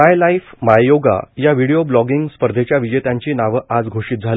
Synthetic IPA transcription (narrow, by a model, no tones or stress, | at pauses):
ajlaifmajjoɡa̰jaʋiɽijoblɔɡiŋɡspəɾd̪ʱet͡ɕjaʋid͡ʑet̪ãɲt͡ɕiːnaʋəad͡zɡʱoɕiːt̪̚d͡zʱali